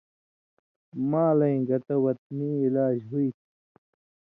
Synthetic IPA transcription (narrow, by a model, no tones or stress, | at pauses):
mãːlɐĩɡɐt̪ɐwɐt̪̚niːilaːd͡ʑɦuit̪ʰ